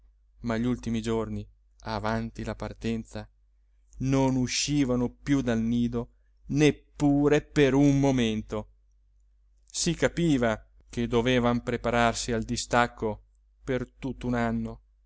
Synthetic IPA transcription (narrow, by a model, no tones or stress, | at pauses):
maʎult̪imid͡ʒorni | avant̪ilapart̪ɛnt̪sa | nonuʃːiːvanopjud̪alniːd̪o | nepːuːɾepeɾunmoment̪o | sikapiːva | k̟ed̪oveːvampɾepaɾarsiald̪ist̪akʰːo | pert̪ut̪ːunanːo